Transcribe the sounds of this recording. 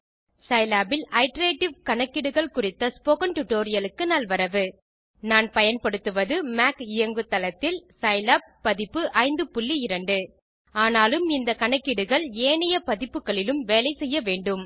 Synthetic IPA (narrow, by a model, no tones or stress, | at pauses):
sɐɪlaːbɪlɐɪʈɐɾeːʈːɪʋkɐɳɐkːɪɽɯɣɐɭkʊrɪt̪ːɐspoːkɐnʈʊʈːoːɾɪjɐlɯkːɯnaːlʋɐɾɐʋɯ | naːnpɐjɐnpɐɽɯt̪ːɯʋɐðɯmaːkɪjɐŋɡɯt̪ːɐlɐt̪ːɪlsɐɪlaːb̚pːɐðɪpːɯʔɐɪnd̪ɯpʊɭːiɪɾɐɳɖɯ | aːnaːlɯmɪnd̪ɐkɐɳɐkːɪɽɯɣɐɭeːnɐjɐpɐðɪpːɯkːɐɭɪlɯmʋeːlɐɪsɛjːɐʋeːɳɖɯm